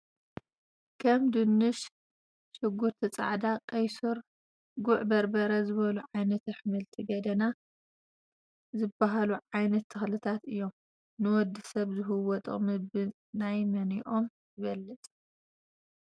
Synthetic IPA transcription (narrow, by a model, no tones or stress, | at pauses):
kʰɐmd̪ɨnːɨʃ | ʃɨɡuɾt̪ʰit͡sʼa̰ʕd̪akʼɐjsuɾ | ɡuʕbɐɾbɐɾɐzɨβɐluʕajnɐt̪ɐħmɨlt̪ʰiɡɐd̪ɐna | zɨbːaɦaluʕajnɐt̪ʰːɐxlɨt̪ʰat̪ɨjːo̞m | nɨwɔd̪ːisɐβzɨɦɨwɔt̪ʼo̰mɨbɨ | najmɐniʔo̞m | jɪβɐlːɨt͡sʼ